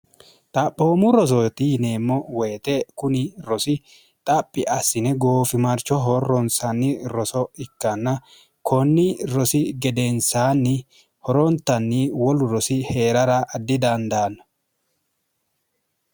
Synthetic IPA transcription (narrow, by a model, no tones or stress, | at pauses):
t̪ʼɐpːoːmʊɾɔs̬ɔt̪ɪneːmːɔweːt̪ɛkʊnɪɾɔsɪ | t̪ʼɐpʼːɪʔɐsːɪnɛɡoːfɪmɐɾt͡ʃːɔɦɔrːɔnsɐnːɪɾɔsɔɪkːɐnːɐ | kʰɔnːɪɾɔsɪɡɛd̪ɛnsaːnːɪ | hɔɾɔnt̪ːɐnːɪwɔlʊɾɔsɪhe̞ːɾɐɾɐʔːd̪ːɪd̪ɐnd̪aːnːɐ̥